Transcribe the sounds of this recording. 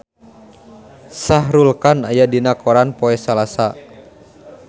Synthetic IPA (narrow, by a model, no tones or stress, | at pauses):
sahɾulkana̰jadinakɔɾanpɔɛsalasa